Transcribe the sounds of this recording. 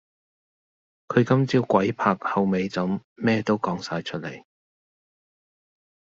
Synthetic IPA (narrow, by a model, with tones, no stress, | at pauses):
kʰɵ˨˧ɥkɐ˥mt͡siː˥wkʷɐ˨˥jpʰaː˧k̚hɐ˨wme˨˧jt͡sɐ˨˥mmɛː˥t̪o˥wkɔː˨˧˥ŋsaː˧jt͡ʃʰɵ˥t̚lḛ˨˩j